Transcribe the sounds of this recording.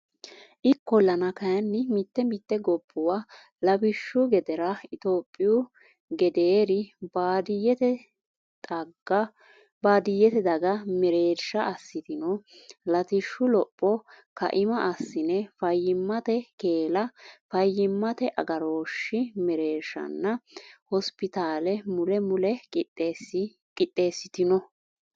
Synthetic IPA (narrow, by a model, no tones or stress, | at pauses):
ʔɪkːɔlɐnɐkɐjɐnːɪmɪt̪ːɛmɪt̪ːɛɡɔbːʊwa | lɐbɪʃːʊɡɛd̪ɛɾɐɪt̪o̞ːpʼːɪjʊ | ɡɛd̪eːɾɪbad̪ɛt̪ɛ | ɡ | baːd̪ɪjːɛt̪ɛd̪ɐɡɐmɛɾeːɾʃɐɐsːɪt̪ɪnɔlɐt̪ɪʃːʊlɔpʼːɔkɐ̰ʔɪmɐʔɐsːɪnɛfɐjːɪmːɐt̪ɛkeːlɐfɐjːɪmːɐt̪ɛʔɐ̰ɡɐɾo̞ːʃːɪmɛɾeːɾʃɐ̰nːɐhɔspɪt̪aːlɛmʊlɛmʊlɛkɪ | kʼɪt̪ʼːe̞ːsːɪt̪ɪnɔ